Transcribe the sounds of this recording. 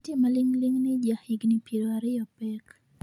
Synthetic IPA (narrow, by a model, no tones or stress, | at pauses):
tɪmalɪŋlɪŋnɪd͡ʒahiɡnɪpeɾoaɾɪjɔpɛk